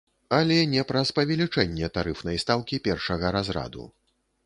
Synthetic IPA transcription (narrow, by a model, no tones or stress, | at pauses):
ɐlʲɛnʲɛpɾɐspɐvʲɛlʲit͡ʂɛnʲːɛt̪aɾɨfnɐjst̪alˠkʲipʲɛrʂɐɣɐɾazɾa̰d̪ṵ